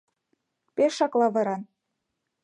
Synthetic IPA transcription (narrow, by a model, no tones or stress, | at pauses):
peʃːɑklɑβɤ̆ɾɑn